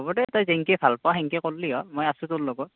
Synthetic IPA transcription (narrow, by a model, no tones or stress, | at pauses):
ɔbɔtɛtɔjzɛŋkɛbʰʱalpɔaxɛŋkɛkolːiɔmojasʊ̃tʊllɔɡɔt